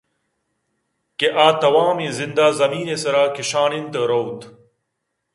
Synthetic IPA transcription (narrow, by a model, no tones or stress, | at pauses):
keʔaːt̪ɐwaːmẽzind̪aːzɐmiːnesɐɾaːkiɕaːnint̪ɐɾowt̪